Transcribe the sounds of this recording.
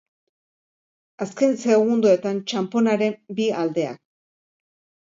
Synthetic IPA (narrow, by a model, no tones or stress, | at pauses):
aske̞nse̞ɣund̪ue̞t̪ant͡ʃampo̞naɾe̞mbiald̪e̞a̰k̚